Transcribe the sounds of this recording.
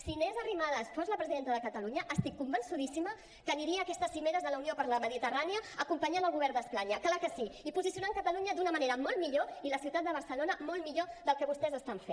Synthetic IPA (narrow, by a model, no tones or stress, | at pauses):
sinezərimaðəspɔzləpɾəziðent̪əðəkət̪əluɲəʔəst̪ikːumbənsuðisimə | kəniɾiəːkɛst̪əsːimeɾəzðələuniopəɾləməðit̪əraniəːkumpəɲanəlˠɣuβɛɾnd̪əspaɲəklakəsiipuzisiunaŋkət̪əluɲəd̪unəmɐneɾəmɔlˠmiʎoiləsiuwt̪at̪̚d̪əβ̞əɾsəlonəmɔlˠmiʎoðəlˠkəβust̪ɛzəst̪aɱfe